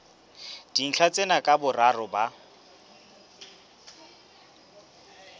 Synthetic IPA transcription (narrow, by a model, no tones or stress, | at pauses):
d̥in̩ɬʰat͡sʼenakʼabʊrarɔba